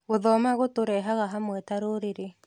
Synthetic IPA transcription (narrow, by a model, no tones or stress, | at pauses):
ɣoðɔmaɣotoɾɛɦaɣaɦamwɛtaɾoɾeɾe